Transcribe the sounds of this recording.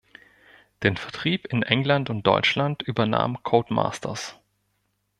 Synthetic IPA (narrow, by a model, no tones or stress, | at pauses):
d̥eːnfɛɐtʁ̥iːpɪnʔɛŋlantʊnt̚d̥ɔ̰ʏt͡ʃlantyːbɐna̰ːmkʰoʊtma̰ːstʰɐ̰s